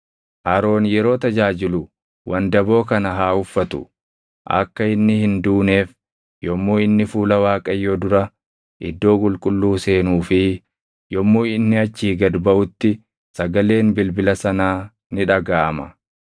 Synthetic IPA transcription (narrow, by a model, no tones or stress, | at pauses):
ʔɐɾo̞ːnjɛɾo̞ːt̪ɐd͡ʒaːd͡ʒɪlʊ | wʔɐnd̪ɐbo̞ːkɐnɐɦaːʊfːɐt̪ʊ̰ | ʔɐ̰kːɐɪnːɪhɪnd̪uːne̞ːf | jɔmːoːɪnːɪfuːlɐwaːkʼɐjːoːd̪ʊɾɐ | ʔɪ̰d̪ːo̞ːkʼʊlkʼʊlːuːse̞ːnuːfɪ | jɔmːoːɪnːɪɐt͡ʃːiːɡɐd̪bɐʔʊt̪ːɪ | sɐɡɐle̞ːnbɪlbɪlɐsɐnaː | nɪᶑɐɡaːʔɐmɐ̰